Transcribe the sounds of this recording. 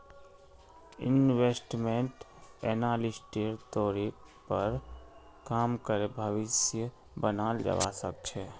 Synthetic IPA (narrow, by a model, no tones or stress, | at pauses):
ɪ̰nwesʈmeɳʈ | enaːlisʈeɾt̪oɾik | pəɾ | kaːmkəɾebʱəʋɪsjə | bənaːld͡ʒə̰ʋa̰sək̚t͡ʃʰɛ